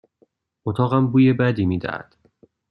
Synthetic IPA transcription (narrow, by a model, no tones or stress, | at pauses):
ot̪ʰɒːɣæmbuːjebæd̪iːmiːd̪æ̰hæ̰d̪̥